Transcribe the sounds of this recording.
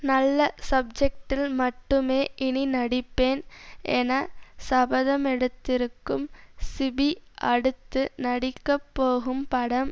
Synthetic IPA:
nɐlːɐsɐb̚d͡ʒɛk̚ʈɪlmɐʈːɯmeːʔɪɳinɐɽɪpːeːnɛnɐsɐbɐðɐmɛɽɯt̪ːɪɾɯkːɯmsɪbiʔɐɽɯt̪ːɯnɐɽɪkːɐpːoːɣɯmpɐɽɐm

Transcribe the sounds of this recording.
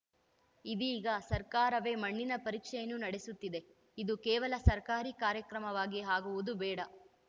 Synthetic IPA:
id̪iːɡɐsɐɾkaːɾɐʋe̞ːmɐɳːinɐpɐɾiːkʂɛjɐnːunɐɽesut̪ːid̪e̞ | id̪ukɛːʋɐlɐsɐɾkaːɾikaːɾjɐkɾɐmɐʋaːɡiɦaːɡuʋud̪ubɛːɽɐ

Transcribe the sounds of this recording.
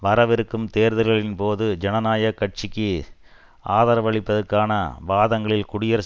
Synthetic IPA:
ʋɐɾɐʋɪɾɯkːɯmt̪eːɾðɯɾɣɐɭɪnpoːðɯd͡ʒɛnɐnaːjɐkɐʈ̚t͡ʃɪkːɯ | aːðaːɾɐʋɐɭɪpːɐðɐɾkːaːnɐ̰ʋaːðɐŋɡɐɭɪlkʊɽɪjɐɾ

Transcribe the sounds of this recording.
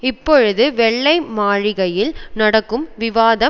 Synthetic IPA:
ɪpːɔɻɯðɯʋɛɭːɐɪmaːɻɪɣɐjɪlnɐɽɐkːɯmʋɪʋaːðɐ

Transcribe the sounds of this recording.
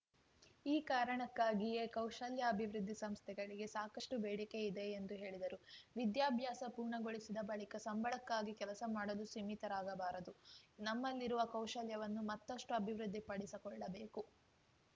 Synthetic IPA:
iːkaːɾɐɳɐkːaːɡijekɐwʃɐljɐːbʱiʋɾɨd̪ʱːisɐmst̪ʰɛɡɐɭiɡe̞saːkɐʂʈubeːɽikeid̪e̞ːnd̪uɦe̞ːɭid̪ɐɾuʋid̪jaːbʱjaːsɐpuːɾɳɐɡoɭisid̪ɐbɐɭikɐsɐmbʱɐɭɐkːaːɡikɛlɐsɐmaːɽɐlusimit̪ɐɾaːɡɐbaːɾɐd̪unɐmːɐlːiɾuʋɐkɐwʂɐljɐʋɐnːumɐt̪ːɐʂʈuɐbʱiʋɾud̪ʱːipɐɽisikɔɭːɐbe̞ːku

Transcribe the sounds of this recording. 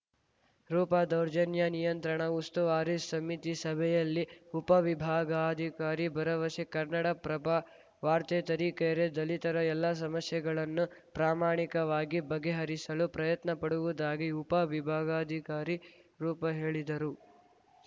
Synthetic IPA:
ɾuːpɐd̪ɐwɾd͡ʒɐnjɐnijɐnt̪ɾɐɳɐust̪uʋaːɾisːɐmit̪isɐbʱɛjɐlːiupɐʋibʱaːɡɐːd̪ʱikaːɾibɐɾɐʋɐsikɐɾnɐɽɐpɾɐba | ʋaːɾt̪et̪ɐɾiːkɛjɐɾed̪ɐlit̪ɐɾɐɛlːɐs̬ɐmɐsjɛɡɐɭɐnːupɾaːmaːɳikɐʋaːɡibɐɡːeɦɐɾisɐlupɾɐjɐt̪nɐpɐɽuʋud̪aːɡiupɐʋibʱaːɡɐːd̪ʱikaːɾiɾuːpɐɦe̞ːɭid̪ɐɾu

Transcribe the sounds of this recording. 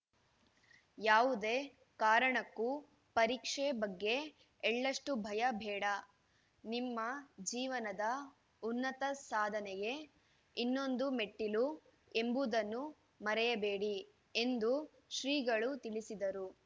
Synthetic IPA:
jaːʋud̪e̞ː | kaːɾɐɳɐkːu | pɐɾiːkʂebɐɡːe̞ | ɛɭːɐʂʈubʱɐjɐbʱɛːɽɐ | nimːɐd͡ʒiːʋɐnɐd̪ɐ | unːɐt̪ɐsaːd̪ʱɐnɛɡe̞ | inːo̞nd̪ume̞ʈːilu | e̞mbud̪ɐnːu | mɐɾɛjɐbeːɽi | e̞nd̪u | ʃɾiːɡɐɭut̪iɭisid̪ɐɾu

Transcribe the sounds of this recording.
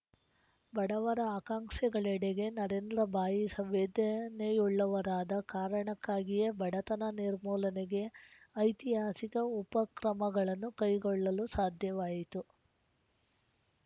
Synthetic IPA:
bɐɽɐʋɐɾɐaːkaːŋʂɛɡɐɭɛɽeɡe̞nɐɾeːnd̪ɾɐbʱaːjisɐmʋeːd̪ɐnejuɭːɐʋɐɾaːd̪ɐkaːɾɐɳɐkːaːɡijɐbɐɽɐt̪ɐnɐniɾmɔːlɐneɡe̞ɐjt̪iɦaːsikɐupɐkɾɐmɐɡɐɭɐnːukɐjɡɔɭːɐlusaːd̪ʱjɐʋaːjit̪u

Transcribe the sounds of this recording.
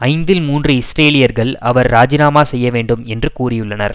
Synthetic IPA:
ɐɪnd̪ɪlmuːndrɯɪsʈeːlɪjɐɾɣɐɭɐʋɐɾːaːd͡ʒɪnaːmaːsɛjːɐʋeːɳɖɯmɛndrɯkuːrɪjɯɭːɐnɐ̰ɾ

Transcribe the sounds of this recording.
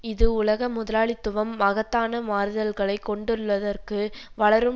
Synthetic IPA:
ɪðɯʊlɐɣɐmʊðɐlaːɭɪt̪ːʊʋɐmːɐɣɐt̪ːaːnɐmaːɾðɐlɣɐɭɐɪkːɔɳɖɯɾɯɭʋɐðɐrkɯʋɐɭɐɾɯm

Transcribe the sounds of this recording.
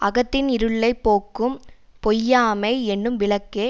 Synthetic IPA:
ɐɣɐt̪ːɪnɪɾɯɭːɐɪpːoːkːɯm | pɔjːaːmɐɪɛnːɯmʋɪɭɐkːeː

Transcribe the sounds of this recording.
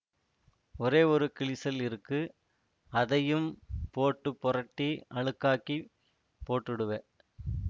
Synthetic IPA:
ɔɾeːɔɾɯkɪɭɪsɐlɪɾɯkːɯ | ɐðɐjɯmpoːʈːɯpːɔɾɐʈːiɐɭɯkːaːki | poːʈːɪɽɯʋɐ

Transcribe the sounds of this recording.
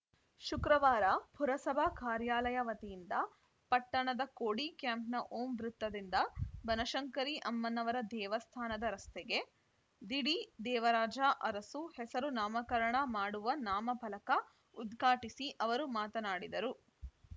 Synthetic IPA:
ʃukɾɐʋaːɾɐpuɾɐsɐbʱɐkaːɾjaːlɐjɐʋɐt̪ijind̪ɐ | pɐʈːɐɳɐd̪ɐkoːɽikjaːmpnɐʔoːmʋɾut̪ːɐd̪ind̪ɐbɐnɐʃɐŋkɐɾiʔɐmːɐnːɐʋɐɾɐd̪ɛːʋɐst̪ʰaːnɐd̪ɐɾɐst̪eɡe̞ | d̪iɽid̪ɛːʋɐɾaːd͡ʒaʔɐɾɐsuhɛsɐɾunaːmɐkɐɾɐɳɐmaːɽuʋɐnaːmɐbʱɐlɐkɐ | ud̪ɡʱaːʈisiʔɐʋɐɾumaːt̪ɐnaːɽid̪ɐɾu

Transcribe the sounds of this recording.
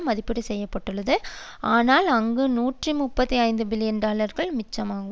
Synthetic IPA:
mɐðɪpːɪɽisɛjːɐpːɐʈːɯɭːɐðɯaːnaːlɐŋɡɯnuːʈrimʊpːɐt̪ːiɐɪnd̪ɯbɪlɪjɐnɖaːlɐɾɣɐɭmɪt͡ʃːɐmaːɐ

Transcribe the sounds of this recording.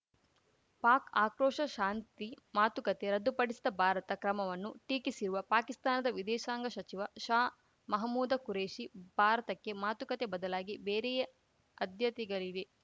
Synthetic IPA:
paːkaːkɾoːʂɐʃaːnt̪i | maːt̪ukɐt̪eɾɐd̪ːupɐɽisid̪ɐbʱaːɾɐt̪ɐkɾɐmɐʋɐnːuʈiːkisiɾuʋɐpaːkist̪aːnɐd̪ɐʋid̪ɛːʃaːŋɡɐʃɐt͡ʃiʋɐʃaː | mɐɦɐmːuːd̪ɐkuɾeːʃibʱaːɾɐt̪ɐkːe̞maːt̪ukɐt̪e̞bɐd̪ɐlaːɡibeːɾɛjɐ | ɐd̪ʱjɐt̪ɛɡɐɭid̪e

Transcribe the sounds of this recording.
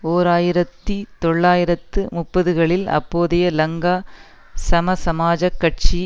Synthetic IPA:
oːɾaːjɪɾɐt̪ːit̪ɔɭːaːjɪɾɐt̪ːɯmʊpːɐðɯɣɐɭɪlɐ̰pːoːðɪjɐlɐŋɡaː | sɐmɐsɐmaːd͡ʒɐkːɐʈ̚t͡ʃi

